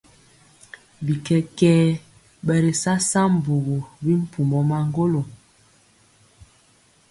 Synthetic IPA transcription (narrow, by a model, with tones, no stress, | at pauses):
bi˨kɛ˦kɛː˦ | ɓɛ˨ɾi˨sa˦sa˦m̩˨bu˨ɣo˨bi˦m̩˦pu˨mɔ˨ma˦ŋ˦ɡo˦lo˨